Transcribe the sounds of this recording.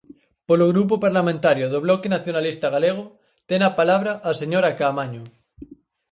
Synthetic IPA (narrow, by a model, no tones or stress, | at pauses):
poloɣɾup̬opaɾlamẽnt̪aɾjoðoβ̞lokenaθjonalist̪aɣ̞aleɣ̞o | t̪enapalaβ̞ɾaʔːseɲoɾakaːmaɲo